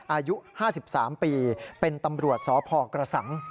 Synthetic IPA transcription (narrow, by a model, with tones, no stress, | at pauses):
ʔaː˧ju˦˥ʔhaː˥˩si˨˩p̚saː˩˦mpiː˧pe˧nt̪a˧mɾu˨˩ət̪̚sɔː˩˦pʰɔː˧kɾa˧sa˩˦ŋ